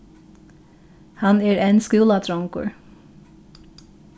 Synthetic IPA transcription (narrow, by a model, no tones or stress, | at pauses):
hɑneːɹʔenskʉːlɑt̪ʰɹɔŋkʊ̰ɹ